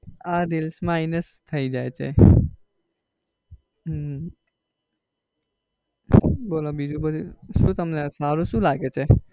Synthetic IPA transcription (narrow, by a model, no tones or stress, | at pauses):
aɾilsmãinest̪ʰəid͡ʒaet͡ʃʰḛ | boːlabid͡ʒubəd̪ʱiʃũt̪əmnesaːɾusũlaːɡet͡ʃʰe